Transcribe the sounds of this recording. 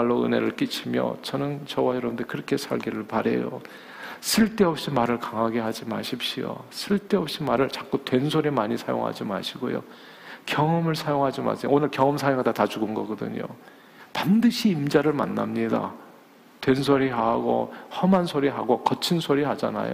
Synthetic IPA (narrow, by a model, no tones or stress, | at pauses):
aɭːoɯ̰ne̞̰ɾɯɭk͈it͡ɕʰimjʌ̰t͡ɕʌnɯnt͡ɕʌwajʌɾʌndekɯɾʌkʰe̞sʰaɭɡiɾɯɭpaɾe̞̰jo̰ | sʰɯɭt͈e̞ʌp̚ɕ͈imaɾɯɭkaŋɦaɡe̞ɦad͡ʑima̰ɕʰip̚ɕ͈ijo̰sʰɯɭt͈e̞ʌp̚ɕ͈imaɾɯɭt͡ɕḁk͈utwe̞nsʰoɾimaɲisʰajo̰ŋɦa̰d͡ʑima̰ɕʰiɡo̰jo̰ | kjʌŋʌmɯɭsʰajoŋɦad͡ʑima̰sʰejoonɯɭkjʌŋʌmsʰajoŋadatat͡ɕuɡɯnɡʌɡʌdɯ̰ɲo̰ | pandɯɕʰiːmd͡ʑaɾɯɭma̰nːa̰mɲida̰ | twens̬ʰoɾiɦaɡo̰hʌmansʰoɾiɦaɡokʌt͡ɕʰinsʰoɾihad͡ʑa̰na̰jo̰